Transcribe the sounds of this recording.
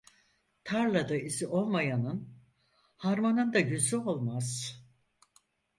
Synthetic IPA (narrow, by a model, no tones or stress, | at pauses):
t̪ʰaɾlˠad̪aiziʔo̞lˠmajanɯn | haɾmanɯnd̪aɟyzyo̞lˠmaz̥